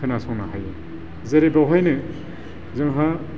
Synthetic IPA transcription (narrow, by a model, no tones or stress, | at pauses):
ɯnasʰɔŋnaɦaj | zɐɾebawɦajnɯ | zɯŋɦa